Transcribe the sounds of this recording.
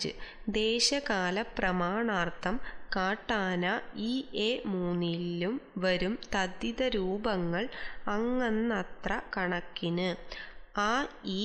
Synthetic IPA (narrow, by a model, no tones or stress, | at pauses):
ɨ̰d̪eːɕɐkaːlɐprɐmaːɳaːrt̪ʰɐmkaːʈːaːnɐiːemuːnːilːumʋɐɾumt̪ɐd̪iðɐɾuːbɐŋːɐɭɐŋːɐnːɐt̪rɐkɐɳɐkːinɨ | aːiː